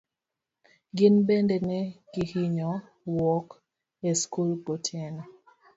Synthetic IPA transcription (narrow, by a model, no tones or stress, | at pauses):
ɡɪnbɛndɛnɛɡihiɲɔ | wɔk | eskulɡɔtʰɛnɔ